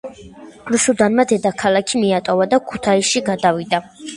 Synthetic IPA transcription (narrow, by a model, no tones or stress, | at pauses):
ɾusud̪anmad̪ɛd̪akʰalakʰimiat̪ʼɔvad̪akʰu̥t̪ʰaisʃiɡad̪avid̪a